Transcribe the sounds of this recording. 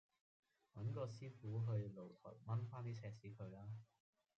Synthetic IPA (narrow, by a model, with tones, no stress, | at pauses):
wɐ˨˥nkɔː˧siː˥fuː˨˥ɦɵ˧ɥlo˨˩wt̪ʰʊ̰˨˩t̚mɐ˥nfaː˥nt̪iː˥t͡sʰɛː˧siː˨˥kʰɵ˨˧ɥlaː˥